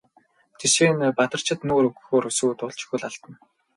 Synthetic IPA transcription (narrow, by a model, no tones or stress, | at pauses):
t͡sʰesweːnpat̪ə̆r̥t͡ɕʰɪ̆t̪nuːɾɵɣxoːɾɵs̆uːt̪ʊɮt͡ɕɪ̥̆xŭɮaɮt̪ə̆n